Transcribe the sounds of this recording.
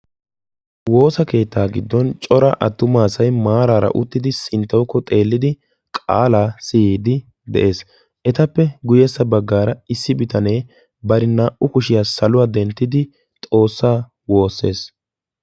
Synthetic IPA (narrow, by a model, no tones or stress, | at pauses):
wo̞ːsɐke̞ːt̪ʰːaːɡɪd̪ːɔnt͡ʃʼɔɾɐ̰ʔɐt̪ːʊmaːsɐjmaːɾaːɾɐ̰ʔʊt̪ːɪd̪ɪsɪnt̪ːɐwkːɔt̪ʼe̞ːlːɪd̪ɪ | kʼa̰ːlaːsɪjiːd̪ɪ | d̪ɛ̰ʔe̞ːs | ʔɛt̪ɐpːɛɡʊjɛsːɐbɐɡːaːɾɐɪsːɪbɪt̪ɐne̞ː | bɐɾɪnaːʔʊkʊʃɪjaːsɐlʊwaːd̪ɛnt̪ːɪd̪ɪ | t̪ʼo̞ːsːaː | wo̞ːsːe̞̰ːs